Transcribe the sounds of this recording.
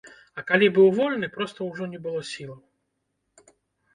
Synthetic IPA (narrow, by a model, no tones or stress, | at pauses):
ɐkalʲibɨwvɔlʲnɨpɾɔst̪ɐwʐɔnʲɛbɨlˠɔsʲilˠɐw